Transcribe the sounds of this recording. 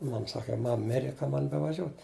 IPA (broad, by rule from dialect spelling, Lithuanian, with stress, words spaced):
ˈmɐm ˈsɑːkɐ ˈmɐm ˈmʲɪrʲɛ ˈkɐm ˈmɐn bʲɛʋɐˈʒʲoːtʲ